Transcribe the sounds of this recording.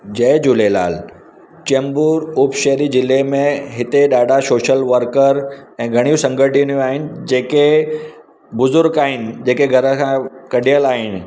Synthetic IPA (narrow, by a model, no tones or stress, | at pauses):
d͡ʑɐːd͡ʑuːlela̰ːl | t͡ɕɛ̃mbuːɾuːpʃɛɦɾid͡ʑɪlemẽɦɪt̪eɗaːɖʱasoːʃəlʋəɾkəɾɛ̃ːɡʱɐɽ̃ijũsɐ̃ŋɡʱəʈinijũaːɦɪnɪ̆d͡ʑeːke | bʊzʊɾɡaːɦɪnɪ̆d͡ʑeːkeɡʱɐɾə̆kʰãkɐɗijəlaːɦɪnɪ̆